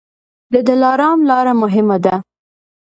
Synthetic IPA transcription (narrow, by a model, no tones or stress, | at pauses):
d̪əd̪əlɑɾɑmlɑɾamʊɦɪmad̪a